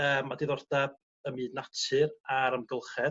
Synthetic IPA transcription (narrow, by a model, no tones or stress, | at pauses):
əːmadɪðɔrdab̚ | əmiːdnatʰɨɾaɾəmɡəlˠχɛ